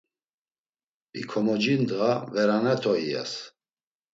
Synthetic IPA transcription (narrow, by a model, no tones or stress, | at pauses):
pʼḭkʰɔmɔd͡ʒind̪ɣavɛɾanɛt̪ʰɔia̰s